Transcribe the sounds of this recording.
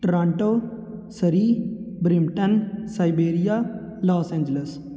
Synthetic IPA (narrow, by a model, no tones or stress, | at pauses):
ʈɾãːɳʈoːsəɾiːbɾimʈənsaɪbeːɾijaːlaːsẽːɲd͡ʒəles